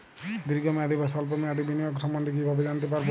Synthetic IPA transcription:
d̪iɾɡɔmead̪ʱibʱasɔlpɔmead̪ʱibinijɔksɔmbɔnd̪ʱikiibʱabed͡ʒant̪epaɾb

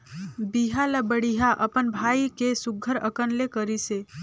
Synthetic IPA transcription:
biɦaləbəɽiɦaʔəpənbʱaːikesʊɡʱːəɾə̰kənlekəɾise

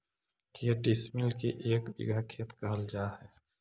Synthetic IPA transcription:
kijəʈismilkeʔeːkbḭɡʱakʰːet̪kəɦəld͡ʒahɛ

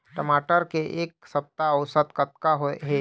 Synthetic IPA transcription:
ʈəmaːʈəɾkeʔeːk̚səp̚t̪aɔʊsət̪kət̪kaɦoeɦɛ

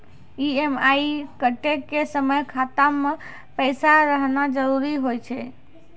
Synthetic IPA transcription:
iemaikəʈekːesəməjkʰat̪amːe | pəɪsaɾəɦnad͡ʒəɾuɾiɦojt͡ʃʰɛ

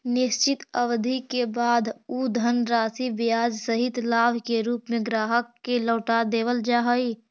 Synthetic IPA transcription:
nɪst͡ʃɪt̪əʋd̪ʱikebaːd̪ud̪ʱənɾaːsibijaːd͡ʒsəɦɪt̪laːʋkeɾuːpmẽɡɾaːɦəkːeləːʈad̪eːʋəld͡ʒaɦəi

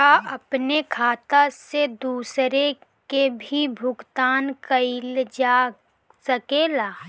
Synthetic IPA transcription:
aɐpnekʰaːt̪ased̪uːsɾe | kebʱibʱʊɡt̪aːnkəɪld͡ʒaː | səkeːlaː

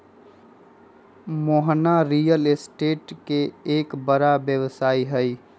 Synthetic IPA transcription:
moːɦnaɾijəlesʈeːʈkeeːkbəɾabjəwsaːiɦəi

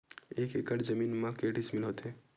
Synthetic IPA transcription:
ekekəʈd͡ʒəminmãkeʈismɪlɦot̪e

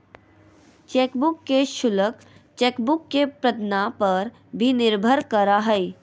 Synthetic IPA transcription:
t͡ʃeːkbʊkːeʃʊlək | t͡ʃeːkbʊkːepɾət̪napəɾ | bʱinɪɾbʱəɾkəɾaɦɛi

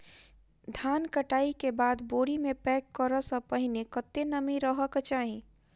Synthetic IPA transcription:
d̪ʱaːnkəʈaːikebaːd̪boːɽimẽpɛːkːəɾəsə̃pəɦɪnekət̪ːenəmiɾəɦəkət͡ʃaːɦĩ

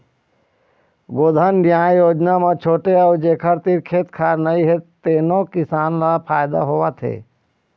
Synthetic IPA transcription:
ɡoːd̪ʱənɖjaːjoːd͡ʒnamet͡ʃʰoːʈeɔːɾd͡ʒeːkʰəɾt̪iɾkʰeːt̪kʰaːɾnəiɦet̪eːnokɪsaːnlapʰaːjd̪a̰ɦoːʋat̪ʰḛː

